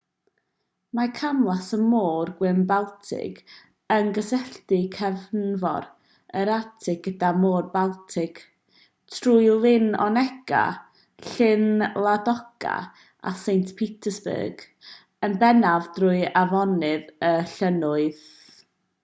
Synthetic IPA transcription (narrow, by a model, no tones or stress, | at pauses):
makʰamlˠasəmoːrɡwɪnbalˠtʰɪ̰ɡ | ənɡəsɛɬtɪkʰɛvnvɔ̰ɾ | əɾatʰɪɡ̚ɡədamoːrbalˠtʰɪɡ̥ | tʰrujlˠɪnɔ̰nɛɡ̥a̰ | ɬɪnlˠadɔɡ̥a̰ | a̰sejntpʰitʰəsbə̰ːɡ̥ | ənbɛnavdrʊɨavɔnɨðəɬənʊɨð